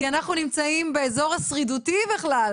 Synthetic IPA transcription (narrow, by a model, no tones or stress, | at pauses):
kianaχnunimt͡saimbe̞ezo̞ʁasʁidutibeχlal